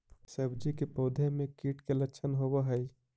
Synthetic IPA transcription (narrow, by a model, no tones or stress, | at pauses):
sebd͡ʒikepɔːd̪ʱemẽkiːʈkeləʃʰənɦobəɦəj